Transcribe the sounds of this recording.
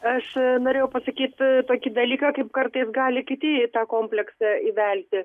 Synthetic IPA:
ɐʃnoːɾʲeːjɛʊpɐsɐkʲiːt̪t̪oːkʲɪd̪ɐlʲiːkɑkɐɪpkɐɾt̪ɐɪsɡɑːlʲɪkʲɪt̪ʲɪt̪ɑːkoːmʲpʲlʲɛksɐiːʋʲɛlʲt̪ʲɪ

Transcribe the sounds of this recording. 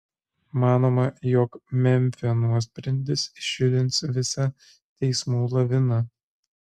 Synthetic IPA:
mɑːnoːmɐjɔkmʲɛmʲˑfʲɪnuɔsʲpʲɾʲɛnʲd̪ʲɪsʃʲɪlʲɪnˑsʋʲɪsɐ | t̪ʲɛɪsmuːlˠɐʋʲɪnɐ

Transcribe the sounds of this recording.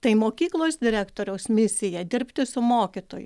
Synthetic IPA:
t̪ɐɪmoːkʲiːklˠoːsd̪ʲɪɾʲæːkt̪oːɾʲɛʊsmʲɪsʲɪjɛd̪ʲɪɾʲpʲt̪ʲɪsʊmoːkʲɪt̪oːjʊ̰

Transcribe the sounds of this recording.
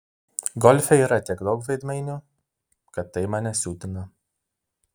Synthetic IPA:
ɡɔlʲfʲɛiːɾɐt̪ʲiɛkd̪ɔkʋɐɪd̪mɐɪnʲʊ | kɐt̪ːɐɪmɑːnʲɛsʲuːt̪ʲɪŋkɐ

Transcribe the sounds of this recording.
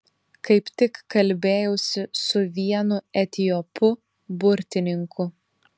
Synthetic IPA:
kɐɪpt̪ʲɪkːɐlʲbʲeːjɛʊsʲɪsʊʋʲiɛnʊɛt̪ʲɪjɔpʊ | bʊɾʲt̪ʲɪnʲɪŋkʊ

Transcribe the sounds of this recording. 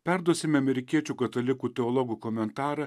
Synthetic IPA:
pʲæɾd̪uɔsʲɪmʲɐmʲɛɾʲɪkʲiɛt͡ʃʲuːkɐt̪ɐlʲɪkuːt̪ʲɛɔlˠɔɡuːkɔmʲɛnt̪ɑːɾɐ

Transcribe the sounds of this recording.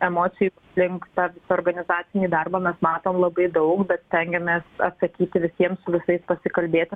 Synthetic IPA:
ɛmoːsʲɪjup | lʲɪŋkt̪ɑːʋʲɪsɐoːɾɡɐnʲɪzɑːt̪sʲɪnʲiːd̪ɐrbɐːmʲɛsmɑːt̪oːmlˠɐbɐɪd̪ɐʊkbʲɛt̪st̪ʲɛŋʲɡʲɛmʲeːsɐ̰t̪sɐkʲiːt̪ʲɪʋʲɪsʲiɛmsʊʋʲɪsɐɪspɐsʲɪkɐlʲbʲeːt̪ʲɪ

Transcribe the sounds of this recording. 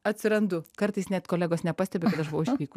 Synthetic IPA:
ɐt̪ʲsʲɪɾɐnd̪ʊkɐɾt̪ɨɪsnʲæːt̪koːlʲæːɡoːsnʲɛpɑːsʲt̪ʲɛbʲeɛkɐt̪ɐʃbʊʋɐʊɪtʲiːkʊ

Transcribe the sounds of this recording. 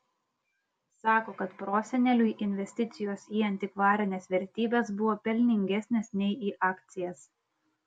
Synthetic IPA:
sɑːkoːkɐt̪pɾoːsʲɛnʲɛlʲuiʔɪnʲʋʲɛsʲt̪ʲɪt̪sʲɪjoːsiːɐnʲt̪ʲɪkʋɑːɾʲɪnʲeːsʋʲɛɾʲt̪ʲiːbʲeːsbʊʋoːpʲɛlʲnʲɪŋʲɡʲɛsʲnʲeːsnʲɛɪiːʔɑːkt̪sʲɪjɛs

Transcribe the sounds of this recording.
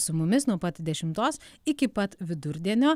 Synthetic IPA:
sʊmʊmʲɪsnuɔpɐt̪ʲd̪ʲɛʃʲɪmt̪oːs | ɪkʲɪpɐt̪ʋʲɪd̪ʊɾʲd̪ʲiɛnʲoː

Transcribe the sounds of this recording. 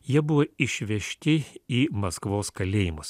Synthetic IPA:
jiɛbʊʋoːɪʃʲʋʲɛʃʲt̪ʲɪiːmɐskʋoːskɐlʲeːjɪmʊs

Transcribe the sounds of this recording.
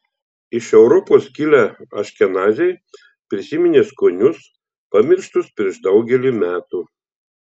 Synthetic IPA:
ɪʃɛʊɾɔpoːskʲɪlʲæɐ̰ʃʲkʲɛnɑːzʲɛj | pʲɾʲɪsʲɪmʲɪnʲeːskonʲʊs | pɐmʲɪɾʃt̪ʊspʲɾʲiɛʃd̪ɒʊɡʲɛlʲiːˑmʲæːt̪uː

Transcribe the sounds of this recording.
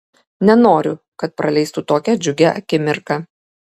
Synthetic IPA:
nʲɛnoːɾʲʊ | kɐt̪̚pɾɐlʲɛɪst̪ut̪oːkʲɛd͡ʒʲʊɡʲɛʔɐ̰kʲɪmʲɪɾkɑ

